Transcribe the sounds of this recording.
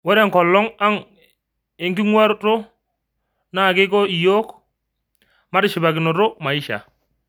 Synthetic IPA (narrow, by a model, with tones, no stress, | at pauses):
wɛ˦ɾe˦˨ŋkɔ˨lːɔ˦ŋa˦ŋ | e˨ŋki˦ŋwa˦ɾto˦ | na˦˨ke˦kɔ˦i˨jo˦k | ma˦ɾɪ˦˨ʃɪ˨ba˨kɪ˨no˨ɾo˦ma˨i˦ʃa̰˨